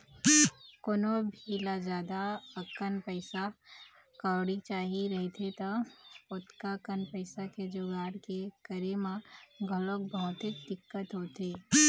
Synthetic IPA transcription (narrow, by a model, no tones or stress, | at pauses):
koːnobʱilad͡ʒjaːd̪aəkənpəɪsa | kaːɽit͡ʃaːɦiɾɐɦet̪ʰet̪opʊt̪kakənpəɪsaked͡ʒʊɡaːɾkekəɾemãɡʱəlokbɔɦʊt̪ed̪ɪkːət̪ɦoːt̪eː